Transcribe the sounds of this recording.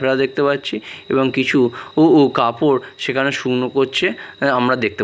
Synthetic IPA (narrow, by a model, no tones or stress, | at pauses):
eɾad̪ek̚t̪epatːt͡ɕʰieboŋkit͡ɕʰukapoɾʃekʰaneʃuɡnokoɾt͡ɕʰeamɾad̪ek̚ʰt̪e